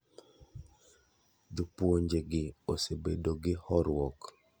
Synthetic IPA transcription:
d͡ʒupwoɲd͡ʒeɡɪosebedoɡɪhɔɾwɔk

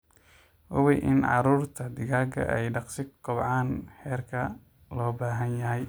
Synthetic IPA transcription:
ʔʊwɛjʔɪnʕɑ̰ɾuːrt̪ʰɐd̪ɪɣaːɡɐ̰ʔɛ̰jɖɑqsɪkʰɔbʕɑːnħɛːrkʰɐ | lɔːbaːɦɐnjɐɦɛj

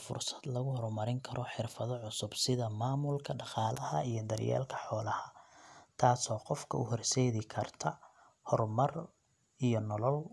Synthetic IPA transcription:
fʊ̰rsɐd̪lɐɣʊhɔrmɐɾɪŋkʰɐɾʔɔħɪrfɐðɔʕʊsʊbsɪðɐmaːmʊlkʰɐɖɑqɑːlɐhɐijɞd̪ɐrja̰ːlkʰɐ̥ħɔːlɐhɐt̪ʰaːsɔːqɔfkʰɐ̰ʊhɔrsɛːðɪkʰɐrt̪ʰɐ | hɔrmɐr | ijɔnɔlɔl

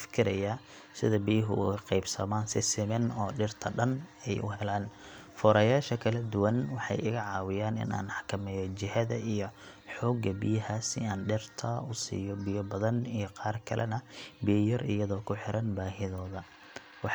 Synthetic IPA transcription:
fɪ̥kʰɪɾɐja | sɪðɐbijɪɦʊ̰ɣqɛjbsɐ̰maːnsɪsɪmɛnɔːɖɪrt̪ʰɐɖɐnɛjʔʊ̰ɦɛlaːn | fɔːɾɐjaːʃɐkʰɐlɐd̪ʊwɐnwɑħɑ̰jɪɣɐʕɑːwɪjaːnɪ̰na̰ːnɑħkʰɐmɛːjɔt͡ʃɪhɐðɐʔijɔ | ħɔːɡɐbɪjɐɦaːsɪaːnɖɛrt̪ʰɐʊsḭːjɔbɪjɔbɐðɐnijɔqɑːrkʰɐlɛ̰nɐbɪjɐjɐrɪjɐðɔːkʰʊħɪɾʔɐnbaːɦɪðɔːðɐ | wɑ

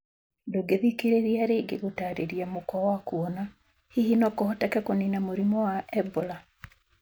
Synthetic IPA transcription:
doɡeðikeɾeɾiaɾeɡeɣotaɾeɾiamokɔwakuɔna | hihinɔkɔhɔtɛkɛkoninamoɾimɔwaɛbola

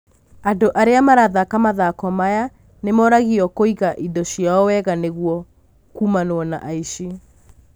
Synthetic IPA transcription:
andoʔaɾeamaɾaðakamaðakɔmaja | nemɔɾaɣiɔkoiɣaʔidɔɕiaɔwɛɣaneɣuɔ | kumanoɔna̰ʔaiʃi

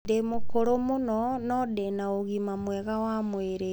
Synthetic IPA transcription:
demokoɾomonɔnɔdenaoɣimamwɛɣawamweɾe

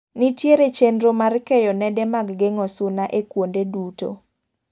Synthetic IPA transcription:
nitjeɾet͡ʃendɾomarkejɔnɛdɛmaɡɡeŋɔsʊnaʔekwondeduto̰

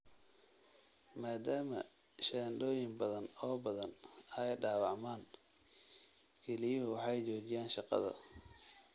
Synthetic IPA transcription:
maːd̪aːmɐ̰ | ʃɛːnɖ̪ɔːjɪŋbɐðɐnɔːbɐðɐnɐjɖɑːwɑʕmaːn | kʰɛlɪjɔɦwɑħɑjt͡ʃɔːt͡ʃɪjaːnʃɑqɑ̰ðɐ̰

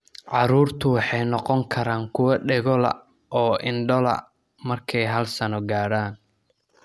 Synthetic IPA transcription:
ʕɑɾuːrt̪ʰʊwɑħɑjnɔqɔŋkʰɐɾaːŋkʰʊwɐɖɛɣɔlɐ̰ | ʔɔːʔɪnɖɔlɐ̰ | mɐrkʰɛjɦɐlsɐnɔɡaːɽaːn

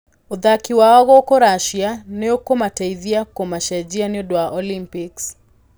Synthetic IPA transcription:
uðakiwaɔɣɔkɔɾaʃianɛokɔmataiðiakomaʃad͡ʒianiodwaʔɔlimpiks

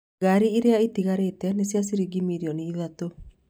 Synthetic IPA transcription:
ɡaɾiiɾeaitiɣaɾetɛnesjas̬iɾiɡimiɾiɔniːðato

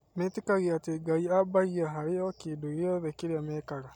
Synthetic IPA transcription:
metekaɣeateɡaiabaiaɦaɾejɔkiːdoɔðekeɾeamɛːkaɣa

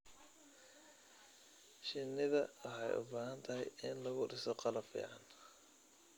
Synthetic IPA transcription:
ʃɪnːɪðɐwɑħɑjʔʊ̰baːɦɐnt̪ʰɐɦɛjɪnlɐɣʊɖɪsɔqɑlɐbfḭːʕɑn

